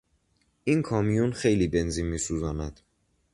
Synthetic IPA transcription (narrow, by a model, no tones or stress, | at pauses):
ʔinkʰɒːmijunxe̞jliːbenziːnmiːsuːzɒːnæd̪̥